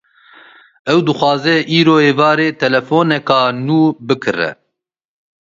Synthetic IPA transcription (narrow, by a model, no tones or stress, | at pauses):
ɛwd̪ɨxwɑːzɛʔiːɾoːeːvɑːɾeːt̪ʰɛlɛfoːnɛkɑːnuːbɨkʰɨrɛ̰